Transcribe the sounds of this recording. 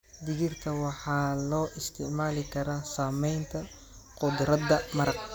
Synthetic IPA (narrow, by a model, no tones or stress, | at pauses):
d̪ɪɣɪrt̪ʰɐwɑħɑːlɔːʔɪst̪ʰɪʕmaːlɪkʰɐɾaːsaːmɛjnt̪ʰɐ | qʊd̪ɾɐd̪ɐmɐɾɐk̚